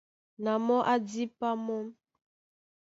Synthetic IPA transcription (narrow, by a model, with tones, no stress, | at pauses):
na˨mɔ˦ʔa˦di˦pa˦mɔ˦m